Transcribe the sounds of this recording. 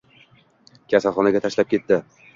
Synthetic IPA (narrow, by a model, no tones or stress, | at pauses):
kʲʰasalˠχɒnaɡʲat̪ʰaʃlap̚kʲʰe̞t̪ːɪ